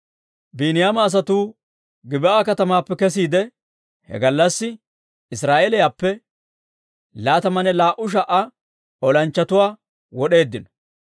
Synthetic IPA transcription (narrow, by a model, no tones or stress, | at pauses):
biːnɪjaːmɐːs̬ɐt̪uː | ɡɪbɪʔaːkɐt̪ɐmaːpːɛkɛs̬iːd̪ɛ | hɛ̰ɡɐlːɐsːɪ | ɪsɾaːʔelɛjaːpːɛ | laːt̪ɐmɐnɛlaːʔʊʃ̬ɐʔɐ | ɔlɐnt͡ʃːɐt̪ʊwaː | wɔɗe̞ːd̪ːɪnɔ̥